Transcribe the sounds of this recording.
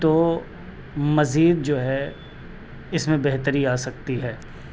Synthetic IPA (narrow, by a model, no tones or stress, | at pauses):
t̪oː | mɐziːd̪̚d͡ʒoːɦɛ | ɪsmẽbɛɦt̪əɾiaːsɐk̚t̪iɦɛː